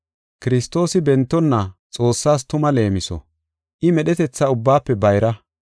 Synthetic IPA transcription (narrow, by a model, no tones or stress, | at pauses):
kɪɾɪst̪ːo̞ːsɪbɛnt̪ːɔnːɐt͡sʼo̞ːsːaːs̬t̪ʊmɐle̞ːmɪsɔ̰ | ʔɪmɛɗɛt̪ɛt͡sːɐʊbːaːpːɛbɐjɾɐ